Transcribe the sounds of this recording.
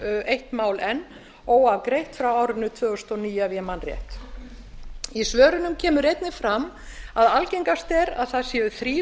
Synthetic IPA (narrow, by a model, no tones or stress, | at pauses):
ejht̪maːwlɛnː | ɔwavkɾejht̪fɾawaːwɾɪnːʏt̪ʰvœːɣʏst̪ɔniːjavjɛmanrjɛ̰ht̪ | isvœːɾʏnʏmcʰɛːmʏɾejt̪nɪfɾam | aðalcejŋkast̪ɛɾa̰ðθaðsjɛːʏθɾiː